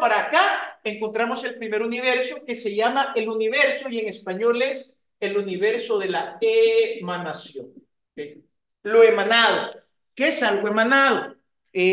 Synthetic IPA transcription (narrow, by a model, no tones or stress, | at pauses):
paɾaːkaeŋkont̪ɾamo̞se̞lpɾime̞ɾuniβ̞e̞ɾso̞ke̞se̞ʝamaʔeluniβ̞e̞ɾso̞ie̞ŋe̞spaɲoles | eluniβe̞ɾso̞ðe̞laemanasjoŋ | e | loe̞mãnað̞o | keesalɣoemãnaðo | e